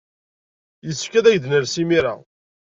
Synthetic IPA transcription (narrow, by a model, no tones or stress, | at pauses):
jəsːfkːæðæʝd̪nəɾsimiɾa̰